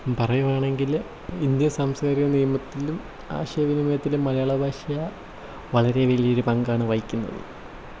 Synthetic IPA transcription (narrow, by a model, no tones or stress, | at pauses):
pɐrɐjumaːɳe̞ŋɡil | ind̪jɐsaːmskaːɾiɣɐnijɐmɐt̪ːilum | a̰ːɕɐjɐʋinimɐjɐt̪ːilumːɐlɐjaːɭɐbʱaːʂɐjɐ | ʋɐɭɐɾe̞ʋeliioɾupɐŋɡaːɳɨʋɐjikʲːunːɐ̰ðɨ̰